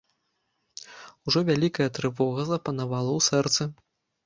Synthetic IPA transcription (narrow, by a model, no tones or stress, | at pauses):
uʐɔvʲalʲikɐjɐt̪ɾɨvɔɣɐzɐpɐnavalˠɐwsɛrt̪sɨ